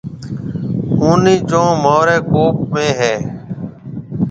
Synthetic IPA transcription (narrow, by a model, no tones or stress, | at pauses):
ũːniːt͡ʃõːmoːɾɛːkoːpmẽːɦɛː